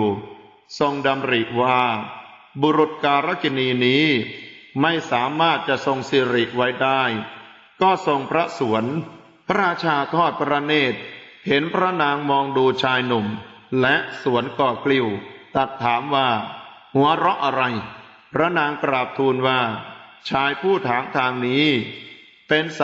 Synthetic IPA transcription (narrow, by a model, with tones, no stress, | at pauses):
so˧ŋda˧mɾi˨˩ʔwaː˥˩ | bu˧ɾu˨˩t̪̚kaː˧ɾa˦˥ki˧niː˧niː˦˥ | ma˥˩jsaː˩˦maː˥˩t̪̚t͡ɕa˨˩ʔso˧ŋsi˧˩ɾi˨˩ʔwa˦˥jdaː˥˩j | kɔː˥˩so˧ŋpʰɾa˦˥su˩˦ən | pʰa˦˥ɾaː˧t͡ɕʰaː˧t̪ʰɔː˥˩t̪̚pʰɾa˦˧˥neː˥˩t̪̚ | he˩˦npʰɾa˦˥naː˧ŋmɔː˧ŋduː˧t͡ɕʰaː˧jnu˨˩m | lɛ˦˥ʔsu˩˦ənkɔː˨˩kʰli˧˥˩wt̪a˨˩t̪ʰːaː˩˦mwaː˥˩ | hu˩˦ɐɾɔ˦˥ʔa˧ɾa˧j | pʰɾa˦˥naː˧ŋkɾaː˨˩p̚t̪ʰuː˧nwaː˥˩t͡ɕʰaː˧jpʰuː˥˩t̪ʰaː˩˦ŋt̪ʰaː˧ŋniː˦˥ | pe˧ns